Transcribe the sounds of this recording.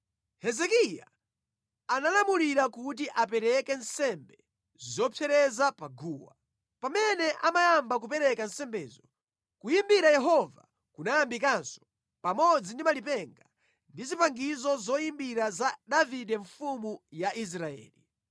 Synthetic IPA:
hɛzɛkija̰ | analamuliɾakut̬iʔapɛɾɛkɛnsɛmbɛ | zɔpʰɛɾɛzapaɡuːwa̰ | pamɛnɛʔamajambak̬upɛɾɛkansɛmbɛːzɔ | kujimbiɾajɛɦɔva | kunajambikansɔ̥ | pamɔd͡zindimalipɛŋɡa | ndizipaŋɡizɔzɔjimbiɾazadavidɛɱfumujaʔis̬ɾaɛ̰ːli

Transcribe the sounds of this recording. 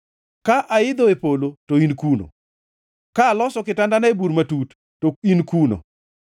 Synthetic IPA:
kaʔaɪd̪oepolotoinkuno̰ | kaːlɔsɔkɪtandanaebuɾmatutː | oinkuno̰

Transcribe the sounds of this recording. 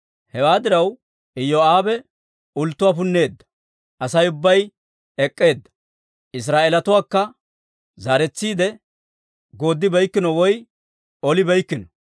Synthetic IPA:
hɛwaːd̪ɪɾɐw | ɪjoaːbɛ | ʊlt̪ːʊwaːpʊnːe̞ːd̪ːɐ̥ | ʔɐsɐjʊbːɐj | ɛkʼːe̞ːd̪ːɐ̥ | ɪs̬ɾaːʔelɐt̪ʊwaːkːɐ | zaːɾɛt͡sːiːd̪ɛ | ɡo̞ːd̪ːɪbɛjkːɪnɔwɔj | ɔlɪbɛjkːɪnɔ̥

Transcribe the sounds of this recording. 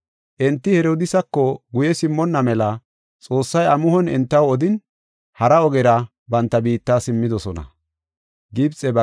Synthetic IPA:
ʔɛnt̪ːɪhɛɾoːd̪ɪsɐkːɔɡʊjɛsɪmːɔnːɐmɛlɐ | t͡sʼo̞ːsːɐjɐmʊhɔnɛnt̪ːɐwɔd̪ɪn | hɐɾɐɔɡɛɾɐ | bɐnt̪ːɐbiːt̪ːaːsɪmːɪd̪ɔsɔnɐ̰ | ɡɪbt͡sʼɛbɐ

